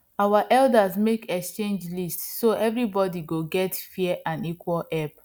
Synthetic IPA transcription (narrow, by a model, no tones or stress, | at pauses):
awaʔɛldazmekɛkst͡ʃẽnd͡ʒlistsoʔɛvɹibɔdiɡoɡɛtfiɛʔãnikwɔlɛp̚